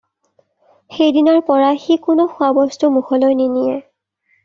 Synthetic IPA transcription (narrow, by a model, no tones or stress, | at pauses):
xejdinɔɹpɔɹaxikʊnʊxʊabɔstumuxɔlɔjninijɛ